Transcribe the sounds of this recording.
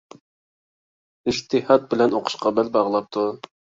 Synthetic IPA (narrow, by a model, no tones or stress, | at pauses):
iʃt̪ʰɪhɑt̪̚bɪlɛnoqʰʊ̥ʃqɑbɛlbɑʁlˠɑp̚t̪ʰu